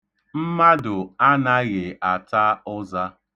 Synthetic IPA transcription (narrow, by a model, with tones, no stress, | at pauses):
m̩˦ma˦dʊ˨a˦na˦ɣɪ˨a˨ta˦ʊ˦za˦